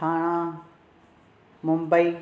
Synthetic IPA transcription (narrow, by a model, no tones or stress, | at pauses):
aːɽ̃ã | mʊ̃mbəi